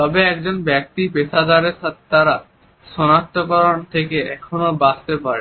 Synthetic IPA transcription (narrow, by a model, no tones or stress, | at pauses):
t̪ɔbeɛk̚d͡ʑonbɛk̚t̪ipeʃʰad̪aɾeɾʃat̪ʰe̥t̪aɾa | ʃɔnak̚t̪ːokɔɾont̪ʰekeɛkʰonobast̪epaɾe